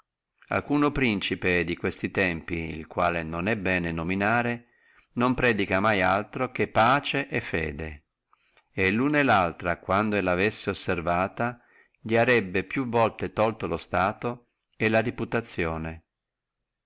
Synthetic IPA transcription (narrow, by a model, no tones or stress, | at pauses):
a̰lkuːnopɾint͡ʃiped̪ikwest̪it̪ɛmpiḭlkwa̰ːlenonɛbːɛːnenominaːɾe | nompɾɛːd̪ikamajalt̪ɾok̟epːaːt͡ʃeʔɛfːɛ̰ːd̪e | elːunelalt̪ɾakwand̪oelavesːeosːervaːt̪a | ʎiaɾɛbːepjuvːɔlt̪et̪ɔlt̪olost̪aːt̪o | elaɾiput̪at̪sːjɔːne